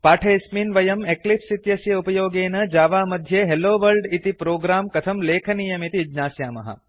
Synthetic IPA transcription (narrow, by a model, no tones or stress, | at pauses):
paːʈʰesminʋɐjɐmeklipsit̪jɐsjɐupɐjoːɡeːnɐd͡ʒaːʋaːmɐd̪ʱjeɦeloːʋəlɖit̪ipɾoːɡɾaːmkɐt̪ʰɐmleːkʰənijɐmit̪id͡ʒnaːsjaːmɐ̰ɦa̰